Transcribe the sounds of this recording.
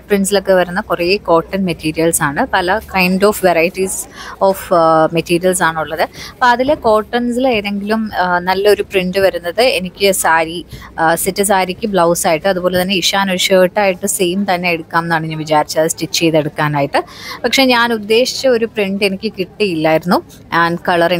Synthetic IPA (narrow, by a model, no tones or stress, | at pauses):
priɳɖsilo̞kːe̞ʋɐɾunːɐkureiko̞ːʈːɐnmetiːɾijɐlsaːɳɨpɐlɐkɐjɳɖo̞ːfʋerɐjitːisoːfmetiːɾijɐls̬aːɳuɭːɐðɨpoɐðilko̞ːʈːɐnsileːðe̞ŋɡilumnɐlːɐo̞ɾupriɳɖɨʋɐɾunːɐðɨenikʲːɨsaːɾisitːɨs̬aːɾikʲːɨbɭɐwsaːjiʈːɨɐðubo̞ːle̞t̪̬ɐnːe̞iʂaːnuʂeːʈːaːjiʈːɨseːmt̪ɐnːe̞eɽukːaːmenːaːɳiɲːanʋit͡ɕaːɾit͡ɕːaːðɨstit͡ɕːejðeɽukːaːnaːjiʈːɨpɐkʂe̞ɲaːnud̪ːe̞ːʂi̥t͡ɕːɐo̞ɾupriɳɖe̞nikʲːɨkiʈːijilːaːjiɾunːu | ʔaːnkɐɭɐre